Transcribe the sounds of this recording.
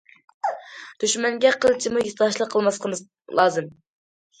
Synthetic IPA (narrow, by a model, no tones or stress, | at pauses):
d̪̥yʃmɛŋɡʲɛqʰəlˠt͡ʃʰimujit̪ɑʃlˠəqʰːəlˠmɑsqʰəmɨz | lˠɑːzɨm